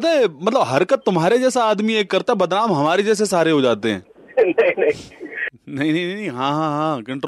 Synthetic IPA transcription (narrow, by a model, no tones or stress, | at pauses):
t̪emɐt̪ləbɦɐɾkət̪ːʊmɦaːɾed͡ʒɛːsaaːd̪mieːkːɐɾt̪aɦɛbɐd̪ɾaːmɦɐmaːɾed͡ʒɛːs̬esaːɾeɦod͡ʒaːt̪eɦɛ̰̃ː | nɐinɐĩ | nɐɦĩnɐ̃ĩnɐ̃nɐĩɦãːɦãːɦãːkɐ̃ɳʈɾ